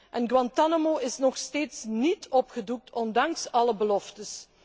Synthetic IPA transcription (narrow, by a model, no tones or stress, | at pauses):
ʔɛnɡwɑntanomoɪsnɔxsteːtsnitʰɔpxəduk̚tʰɔndɑŋsɑləbəlɔftəs